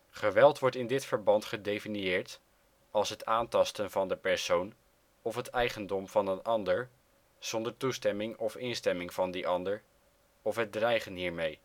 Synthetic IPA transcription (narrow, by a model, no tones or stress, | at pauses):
χəʋɛlˠtʋɔɹtɪndɪtfəɹbɑntχədejfinijɪːɹt | ɑlˠsɦətaːntɑstənvɑndəpɛɹsown | ɔfɦətɛjχəndɔmvɑnənɑndəɹ | z̥ɔndəɹtustɛmɪŋɔfɪnstɛmɪŋv̥ɑndiʔɑndəɹ | ɔfɦət̚drɛjχənɦiːɹmej